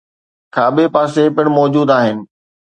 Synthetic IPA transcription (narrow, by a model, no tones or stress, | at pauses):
kʰaːɓepaːsepɪɽ̃mɔːd͡ʑuːd̪aːɦɪnɪ̆